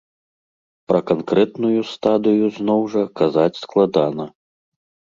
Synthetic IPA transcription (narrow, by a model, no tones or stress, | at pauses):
pɾɐkankɾɛt̪nujust̪ad̪ɨjuznɔwʐɐkazat͡sʲsklˠad̪anɐ